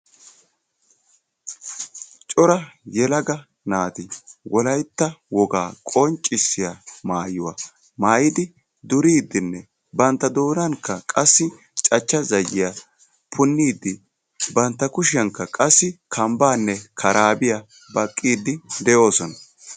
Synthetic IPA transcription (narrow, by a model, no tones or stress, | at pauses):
t͡ʃʼɔɾɐjɛlɐɡɐ | naːt̪ɪwɔlɐjt̪ːɐwɔɡaːkʼɔnt͡ʃʼːɪsːɪjamaːjʊwa̰ | maːjɪd̪ɪ | d̪ʊɾiːd̪ːɪnːɛ | bɐnt̪ːɐd̪o̞ːnɐŋkːɐkʼɐsːɪ | t͡ʃʼɐt͡ʃːɐzɐjːɪjɐ | pʰʊnːiːd̪ːɪ | bɐnt̪ːɐkʊʃɪjɐŋkːɐkʼɐsːɪkʰɐmbaːnːɛkʰɐɾaːbɪjɐ | bɐkʼːiːd̪ːɪd̪ɛjo̞ːsɔnɐ